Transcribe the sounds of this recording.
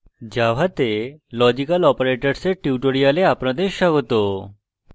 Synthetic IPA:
d͡ʑaʋʱat̪elɔd͡ʑikalɔpoɾeʈaɾseʈiuʈoɾijaleapnad̪eʃɔɡɔt̪o

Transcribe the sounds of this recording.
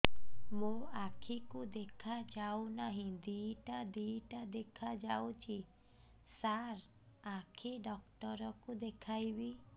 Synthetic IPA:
mũakʰikud̪ekʰad͡ʒawnaɦĩd̪iʈad̪iʈad̪ekʰad͡ʒawt͡ʃʰi | saɾ | akʰiɖɔkʈɔɾɔkud̪ekʰajbi

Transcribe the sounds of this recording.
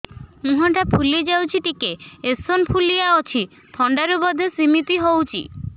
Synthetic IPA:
mũɦaʈapʰuled͡ʒawt͡ʃʰiʈikeesonpʰulijaɔt͡ʃʰi | t̪ʰɔɳɖaɾubɔd̪ʱesimit̪iɦowt͡ʃʰḭ

